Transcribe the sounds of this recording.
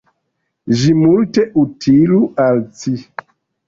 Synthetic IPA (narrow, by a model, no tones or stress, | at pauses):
ʒimulteʔutʰilualt͡si